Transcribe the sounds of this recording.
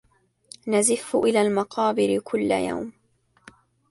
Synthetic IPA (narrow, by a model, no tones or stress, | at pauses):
nazɪfːʔɪlaːlmɑqʰɑːbɪɾɪkʰʊlːa̰ja̰wm